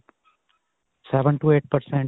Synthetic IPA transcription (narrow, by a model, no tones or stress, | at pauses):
sɛʋə̃ɳʈueːʈ̚pəɾsɛ̃ɳ